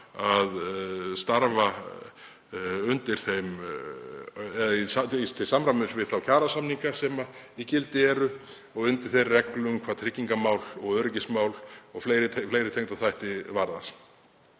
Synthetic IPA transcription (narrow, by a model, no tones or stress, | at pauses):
aðst̪aɾva | ʏnt̪ɪɾ̥θejm | ɛðaisat̪ʰɪlsamɾamɛsvɪðθawcʰaːɾasamniŋkasɛmaicɪlt̪ɪɛɾʏ | ɔɣʏnt̪ɪɾ̥θejrːɛklʏmkʰvaːðt̪ʰɾɪcːiŋkamaːwlɔɣœɾɪcɪsmaːwlɔɣfleːjɾɪt̪ʰfleːjɾɪt̪ʰejŋt̪aθajht̪ɪvaɾðas